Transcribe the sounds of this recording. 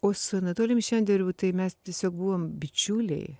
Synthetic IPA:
oːsʊnɐt̪oːlʲɪnʲʃʲɛnʲd̪ʲɛɾʲuːt̪ɐɪmʲɛst̪ʲiɛsʲoːk̚buːʋoːmbʲɪt͡ʃʲuːlʲɛ̰ɪ

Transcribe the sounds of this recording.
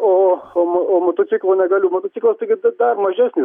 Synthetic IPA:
oːoːmooːmoːt̪oːt̪sʲɪklˠoːnʲɛɡɐlʲuːmoːt̪oːt̪sʲɪklˠɐst̪ɐɪɡʲɪd̪ɐrmɐʒʲɛsʲnʲɪ

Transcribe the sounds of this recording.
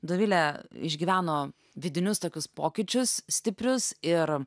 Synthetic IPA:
d̪oʋʲɪlʲɛɪ̰ʒʲɡʲiʋʲæːnoː | ʋʲɪd̪ʲɪnʲʊst̪oːkʲʊspoːkʲɪt͡ʃʲʊssʲt̪ʲɪpʲɾʲʊsɪɾ

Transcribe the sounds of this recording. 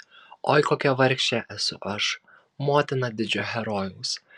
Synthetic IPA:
o̰ːɪkoːkʲɛʋɐɾʲkʃʲt͡ʃʲɛʔɛsʊʔɐʃ | moːt̪ʲɪnɐd̪ʲɪd͡ʒʲoɦʲɛɾɔːjʊs

